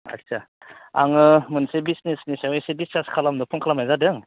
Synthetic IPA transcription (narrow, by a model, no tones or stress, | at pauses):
a̰ksa | a̰ŋɯmɯnsebisnesnisawajsedistaskʰalamdɔpʰuŋkʰalamajzadɯŋ